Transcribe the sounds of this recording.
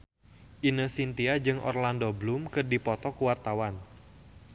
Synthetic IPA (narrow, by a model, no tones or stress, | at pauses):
ʔinəsint̪iad͡ʒɨŋʔɔ̰rlandoblumkɨrdipɔt̪ɔkuwart̪awan